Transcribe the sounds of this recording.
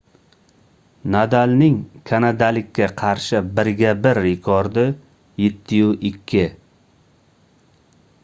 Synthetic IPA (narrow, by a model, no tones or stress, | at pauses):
nad̪alnɪŋkʰanad̪alɪkʲʰːaqʰɑɾʃɪbɪɾɡʲabɪɾɪkʰɒɾd̪ɪ | jet̪ʰːɪjʊʔɪkʲʰːɪ